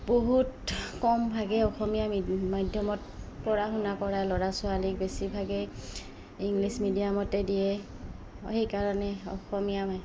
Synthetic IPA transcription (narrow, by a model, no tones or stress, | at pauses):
boɦutkɔmbʱaɡɛɔxɔmijammajdʱjɔmɔt̚kɔɹaxʊnakɔɹalɔɹasʊalik̚besibʱaɡɛ | iŋɡlismidijamɔtɛdijɛ | hekaɹɔnɛɔ̰xɔmijamaj